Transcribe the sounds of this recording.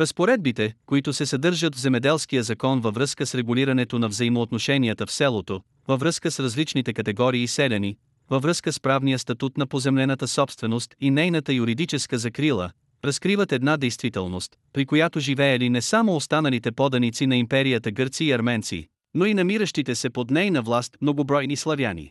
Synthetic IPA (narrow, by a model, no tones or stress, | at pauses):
ɾəspoɾɛd̪̚bit̪ɛkoit̪ʊsɛsɐd̪ɤɾʒət̪vzɛmɛd̪ɛlˠsk̟ijəzɐkɔnvɐvɾɤskəsɾɛɡuliɾɐnɛt̪onɐvzəimoːt̪noʃɛniət̪əfsɛlˠot̪o | vɐvɾɤskəsɾɐzlit͡ʃnit̪ɛkɐt̪ɛɡɔɾiːsɛlʲɐni | vəvɾɤskəspɾavnijəst̪ɐt̪ut̪nɐpozɛmlɛnət̪əsɔpst̪vɛnost̪inɛjnət̪əjuɾid̪it͡ʃɛskəzɐkɾilˠə̰ | ɾɐskɾivət̪ɛd̪nad̪ɛjst̪vit̪ɛ̰lˠnost̪ | pɾikojat̪oʒivɛɛlinɛsamoːst̪anɐlit̪ɛpɔd̪ɐnit̪sinɐimpɛɾijət̪əɡɤɾt̪siːɐɾmɛnt̪sḭ | noinɐmiɾəʃt̪it̪ɛsɛpod̪nɛjnəvlˠast̪mnoɡobɾɔjnislˠɐvjanḭ